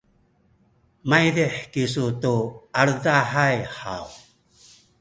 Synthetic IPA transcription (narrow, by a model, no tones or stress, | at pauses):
majdeħkis̬ut̪uaɾdaħajħa̰w